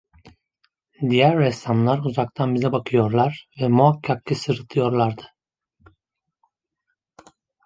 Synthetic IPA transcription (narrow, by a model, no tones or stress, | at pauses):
d̪ijæɾːɛsamlˠaɾuzak̚t̪ʰanbizɛbakʰɯjo̞ɾlˠaɾvɛmuakʰːakːɯsɯɾɯt̪ʰɯjo̞ɾlˠaɾd̪ɯ̥